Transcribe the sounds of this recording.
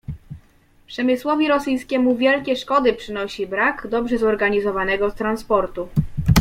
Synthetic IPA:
pʂɛmɘswɔvʲiɾɔsɘj̃skʲɛmuvʲjɛlkʲɛʂkɔd̪ɘpʂɘnɔɕibɾakd̪ɔbʐɛzɔɾɡaɲizɔvanɛɡɔst̪ɾanspɔɾt̪u

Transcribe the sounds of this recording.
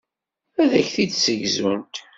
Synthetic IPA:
æðæçθid̪səʝzunt̪

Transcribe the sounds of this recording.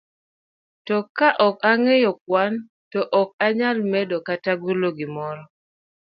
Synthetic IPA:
tɔkaʔɔkaŋejɔk̚wan | tɔʔɔk̚aɲalmɛdokataɡuloɡimɔɾɔ

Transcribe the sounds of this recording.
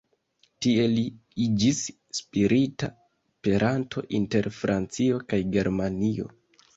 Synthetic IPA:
tie̞liid͡ʒis | spiɾʔita̰ | pe̞ɾʔantʰo̞̰ʔinte̞ɾfɾʔant͡sio̞kajɡe̞ɾmanio̞̰

